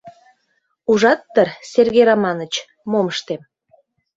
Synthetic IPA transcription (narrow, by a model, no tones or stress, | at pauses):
uʒɑt̪ːərserɣejɾɑmɑnət͡ɕ | moməʃt̪em